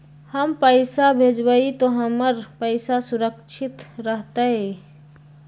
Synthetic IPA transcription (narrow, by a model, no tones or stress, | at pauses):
həmpəɪsabʱed͡ʒbəit̪oɦəməɾpəɪsasuɾəkt͡ʃʰit̪ɾəɦt̪əe